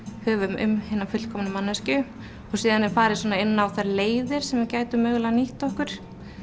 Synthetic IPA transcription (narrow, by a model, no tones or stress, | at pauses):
hœːvʏmʏ̰mhɪːnːafʏt̪l̥kʰɔmnɪmanːɛscʏ | ɔɣsiːðanːɛɾfaːɾɪsɔːnaɪnːaawθɛɾleːjðɪɾ̥sɛmvɪɾcaːjt̪ʏmœːɣlaniht̪ɔhkʏɾ̥